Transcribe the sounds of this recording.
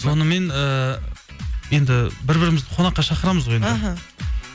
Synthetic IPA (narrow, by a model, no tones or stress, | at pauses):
so̞nəme̞nə | je̞nd̪ɪbɪɾbɪɾɪmɪzd̪ɪqʰo̞nɑqːɑʃɑqəɾɑməzʁojen